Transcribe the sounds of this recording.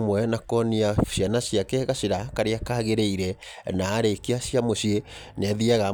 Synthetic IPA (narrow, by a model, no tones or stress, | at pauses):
mwɛnakɔniaɕjanaɕjakɛɣaɕeɾakaɾeakaɣeɾeiɾɛnaːɾeikeaɕiamoɕienaðiaɣa